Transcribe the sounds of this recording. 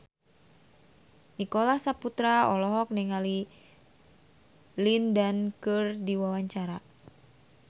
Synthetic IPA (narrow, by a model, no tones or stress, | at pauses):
nikolahsaput̪ɾaɔlɔɦɔk̚nɛŋali | lindankɨrdiwawaɲt͡ʃaɾa